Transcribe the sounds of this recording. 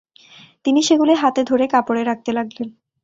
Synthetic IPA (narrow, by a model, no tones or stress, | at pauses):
t̪iniʃeɡuleɦat̪ed̪ʱoɾekapoɽeɾak̚t̪elaɡlen